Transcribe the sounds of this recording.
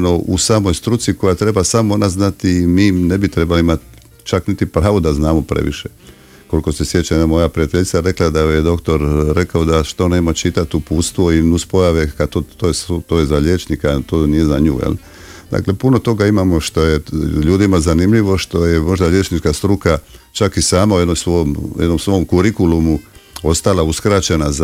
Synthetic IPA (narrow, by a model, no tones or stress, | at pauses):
noʔṵsaːmo̞jst̪ɾut̪siko̞jat̪ɾe̞basamonaznat̪imiːnebit̪ɾe̞balimat̪ | t͡ʃaknit̪ipɾaːʋod̪aznaːmopɾḛʋḭʃe | ko̞liko̞sesje̞t͡ɕanamo̞japɾiat̪e̞ʎʲt̪saɾe̞klad̪aojed̪o̞kt̪o̞ɾɾe̞kaod̪aʃt̪o̞neːmat͡ʃit̪at̪upuːt̪st̪ʋoinuspo̞jaʋekat̪ot̪oest̪ojezaʎeːt͡ʃnikat̪oːnije̞za̰ɲṵːjḛl | d̪a̰kle̞puno̞t̪o̞ɡaimamo̞ʃt̪o̞jeʎuːd̪imazanimʎiʋo̞ʃt̪o̞je̞mo̞ʒd̪aʎe̞t͡ʃnit͡ʃkast̪ɾukat͡ʃakisaːmauje̞d̪nomsʋojomjed̪nomsʋo̞omkuɾikulumuo̞st̪alauskɾat͡ɕenaz